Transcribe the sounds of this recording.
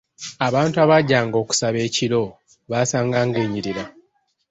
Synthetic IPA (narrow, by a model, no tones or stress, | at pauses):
aβaːntuaβaɟaːŋɡo̞ːku̥saβe̞ːcilo̞ | βaːsaːŋɡaːŋɡeːɲiɾiɾa